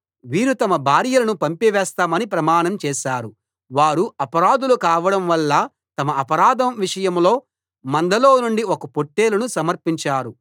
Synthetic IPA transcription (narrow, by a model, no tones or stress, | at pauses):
ʋiːɾut̪ɐmɐbʱaːɾjɐlɐnupɐmpiʋɛːst̪aːmɐnipɾɐmaːɳɐmt͡ʃɛːʃaːɾu | ʋaːɾuɐpɐɾaːd̪ulukaːʋɐɽɐmʋɐlːɐ | t̪ɐmɐɐpɐɾaːd̪ʱɐmʋiʂɐjɐmlo̞ː | mɐnd̪ʱɐloːnuɳɖiokɐpoʈːeːlunusɐmɐɾpiɲt͡ʃaːɾu